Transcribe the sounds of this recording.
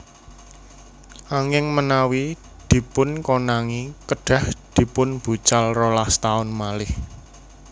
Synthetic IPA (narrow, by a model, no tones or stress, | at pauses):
ʔaŋɪŋmənawi | d̪̥i̤pʊnkonaŋikəɖ̥a̤hd̪̥i̤pʊnb̥ṳt͡ʃalrolast̪aʊnmalɪh